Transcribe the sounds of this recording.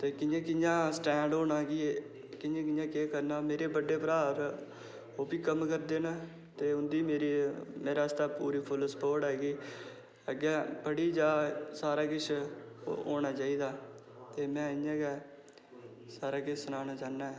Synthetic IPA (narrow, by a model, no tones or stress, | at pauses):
t̪eːkɪjãːkɪjãːsʈɛ̃ːɳɖoːnaːɡi | kɪjãːkɪjãːkeːkəɾnaːmeːɾeːbəɖeːpəɾaːɾ | oːbiːkəmkəɾd̪eːnaː | t̪eːʊnd̪iːmeːɾiːmeːɾaːst̪aːpuːɾiːpʰʊlspoːɾʈɦɛːɡiː | əɡɛːbəɽiːd͡ʒaːsaːɾaːkɪt͡ʃʰː | o̰ːɳaːt͡ʃaːiːd̪aː | t̪eːmɛ̃ːɪɲãːɡɛː | saːɾaːkɪt͡ʃʰsənaːnaːt͡ʃaːnːaːɛː